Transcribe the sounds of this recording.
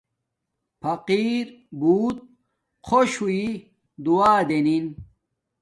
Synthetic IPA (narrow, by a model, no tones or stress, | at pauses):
pʰɐqiːɾbuːt̪̚ | qʰoɕui | d̪uaːd̪enin